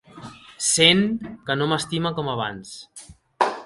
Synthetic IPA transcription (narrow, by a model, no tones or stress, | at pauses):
senkənoməst̪iməkɔmaβ̞ans